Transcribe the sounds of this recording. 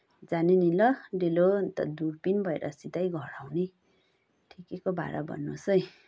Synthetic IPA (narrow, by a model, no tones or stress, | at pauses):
d͡zanenilʌɖelont̪ʌ̰d̪urpinbʱʌḛɾʔʌ̰sit̪ajɡʱʌɽawne | ʈʰikekobʱa̰ɾabʱʌ̰nːosʌj̃